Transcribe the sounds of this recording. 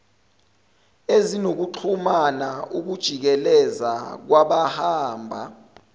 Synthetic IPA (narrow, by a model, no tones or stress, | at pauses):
ezinok̬uǃʰumanaʔuk̬ud̥ʒ̥ʱik̬ɛlɛzak̬waɓahaːmbʱa